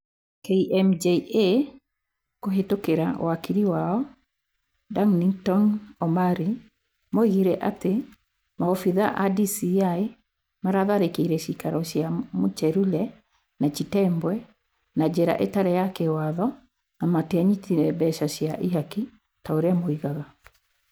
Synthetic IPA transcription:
keiʔɛmd͡ʒeʔe | koɦetokeɾawakiɾiwaɔ | daŋnitɔnɔmaɾi | mɔiɣiɾɛʔate | maɔfiðaʔadisiae | maɾaðaɾekeiɾɛɕikaɾɔɕjamot͡ʃɛɾulɛ | nat͡ʃitɛmbwɛ | nad͡ʑeɾa̰ʔetaɾɛjakewaðɔ | namateaɲitiɾɛbɛʃaɕjaʔiɦaki | taoɾeamoiɣaɣa

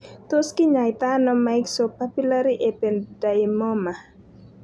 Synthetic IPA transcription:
t̪oskiɲajt̪anɔmajksɔpapulaɾiʔepɛndajmɔma

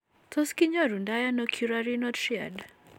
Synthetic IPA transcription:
tɔskiɲaɾundajanɔkʰjuɾaɾinɔtʃia̰d

